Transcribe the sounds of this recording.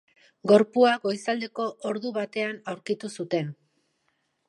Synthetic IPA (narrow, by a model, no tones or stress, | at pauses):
ɡo̞ɾpuaɣo̞jsald̪e̞ko̞ʔoɾðuβat̪e̞anawɾkit̪usut̪e̞n